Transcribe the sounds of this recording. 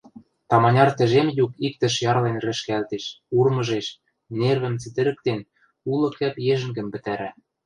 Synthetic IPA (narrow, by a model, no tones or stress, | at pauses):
t̪ɑmɑnʲɑrt̪ɘ̆ʒemjukik̚t̪ɘ̆ʃjɑrlenrɘ̆ʃkælt̪eʃurmɤ̆ʒeʃ | nerβɘ̆mt͡sɘt̪ɘ̆ɾɘ̆k̚t̪en | ulɤ̆kɘpjeʒɘ̆ŋɡɘ̆mpɘ̆t̪æɾæ